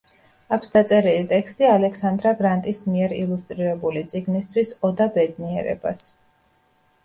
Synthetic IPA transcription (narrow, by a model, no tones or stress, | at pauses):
akʰsd̪at̪sʼɛɾilit̪ʼɛkst̪ʼialɛksand̪ɾaɡɾant̪ʼismiɛɾilˠust̪ʼɾiɾɛbulit̪sʼiɡnist̪ʰwisɔd̪abɛd̪niɛɾɛ̰ba̰s